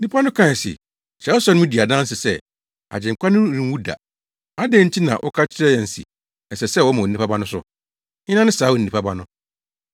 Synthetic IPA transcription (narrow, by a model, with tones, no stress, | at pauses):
nĩ˦pʰa˦nʊ̃˦kʰã˦˨sɪ̰˨ | t͡ɕɛ˨˦sɔ˦nʊ̃˦ʊ̃˦di˨a˨dã˦n̩˦sɪ˨sɛ˦˨ | a̰˨d͡ʑɪ̃˨ŋ˨kʰʷa˦nʊ̃˦ɾĩ˨˦wu˦da̰˨ | a˦de˦ɲ̩˦t͡ɕʰi˦nã̰˨ʔɔ̰˦kʰa˦t͡ɕʰɪ˦ɾɛ˦jɛ̃˨n̩˨sḭ˨ | ɛ˨sɛ˨sɛ˦wɔ˦mã˨nĩ˦pʰa˦ba˦nʊ̃˦sʊ̰˦˨ | ɲɪ˦nã˦nɪ̃˦saː˨˦ɔ˨n̩˨nĩ˨pʰa˦ba˦nʊ̃˦